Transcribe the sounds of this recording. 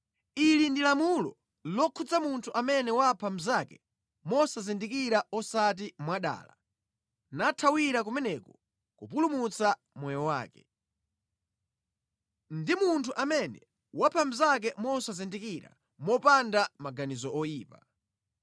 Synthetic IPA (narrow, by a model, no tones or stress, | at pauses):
ilindilamulɔ̰ | lɔkʰud͡zamuntʰuʔamɛnɛwapʰam̩zakɛ | mɔsazindikiɾaɔsat̬imwaɗa̰ːla̰ | natʰawiɾak̬umɛnɛkɔ | kupulumut͡sa | mwɔjɔwa̰ːkɛ̥̰ | ndimuntʰuʔamɛnɛ | wapʰam̩zak̬ɛmɔsazindikiɾa̰ | mɔpandamaɡanizɔɔjiːpa